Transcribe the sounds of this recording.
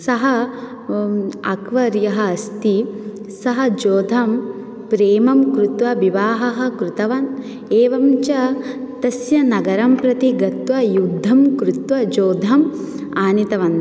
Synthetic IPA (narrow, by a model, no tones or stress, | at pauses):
sɐɦɐ | ɐkʋɐɾjɐɦɐ̆ːst̪i | sɐɦɐ̆d͡ʒoːd̪ʱɐm | pɾeːmɐmkɾut̪ʋɐʋiʋaːɦɐɦɐ̆kɾut̪ɐʋɐn | eːʋɐmt͡ʃɐt̪ɐsjɐnɐɡɐɾɐmpɾɐt̪iɡɐt̪ʋɐjud̪ʱːɐmkɾut̪ʋɐd͡ʒoːd̪ʱɐm | aːnit̪ɐʋɐnd̪